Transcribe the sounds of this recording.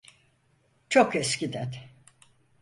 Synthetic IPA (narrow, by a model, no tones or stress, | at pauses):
t͡ʃʰokɛscid̪æɾ